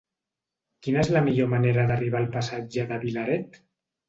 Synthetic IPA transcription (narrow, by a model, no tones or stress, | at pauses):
kinəezləmiʎomaneɾəðəriβ̞alˠpasad͡ʒəðəβilaɾɛt̪